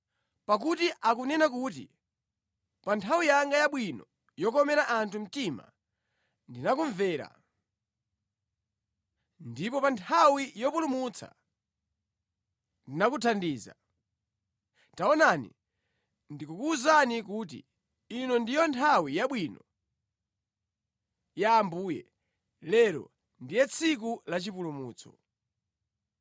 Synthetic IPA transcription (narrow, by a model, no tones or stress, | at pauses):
pak̬utiʔakunɛnak̬ut̬ḭ | pantʰawijaŋɡajaɓwinɔ | jɔkɔmɛɾaʔantʰum̩tima̰ | ndinakuɱvɛːɾa̰ | ndipɔpantʰawijɔpulumut͡sʰa̰ | ndinakutʰandiːza̰ | taɔnanḭ | ndikukuːzanikuːt̬ḭː | nɔndijɔntʰawijaɓwinɔ | jaːmbuːjɛ̰ | lɛɾɔ̰ | ndijɛt͡sʰik̬ulat͡ʃipulumuːt͡sɔ̥̰